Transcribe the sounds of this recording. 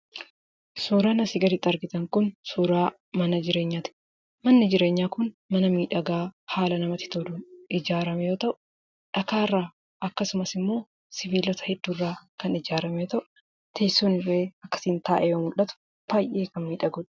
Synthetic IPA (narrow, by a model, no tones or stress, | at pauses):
suːɾaːnɐsɪɡɐlɪt̪ʼːɐɾɡɪt̪ɐŋkʊnsuːɾaː | mɐnɐd͡ʒɪɾe̞ːɲːaːt̪ɪ̥ | mɐnːɪd͡ʒɪɾe̞ːɲːaːkʊnmɐnɐmiːᶑɐɡaːhaːlɐnɐmɐt̪ɪ̥t̪oːd̪uːɪd͡ʒaːɾɐmɛjo̞ːt̪ɐʔʊ̥ | ᶑɐkaːrːaː | ʔɐkːɐsʊmɐsɪmːo̞ː | sɪviːlɔt̪ɐ̥hɛd̪̥ːuːrːaːkɐnɪd͡ʒaːɾɐmɛjoːt̪ɐʔʊ | t̪ʰeːsːuːnɪrːe̞ːɐkːɐ̥siːnt̪aːʔɛjoːmʊlːɐt̪ʊ̥ | b̥aːjʔeːkɐnmiːᶑɐɡʊᶑ